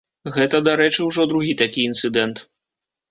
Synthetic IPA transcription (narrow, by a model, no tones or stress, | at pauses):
ɣɛt̪ɐd̪aɾɛt͡ʂɨwʐɔd̪ɾuɣʲit̪akʲiint̪sɨd̪ɛnt̪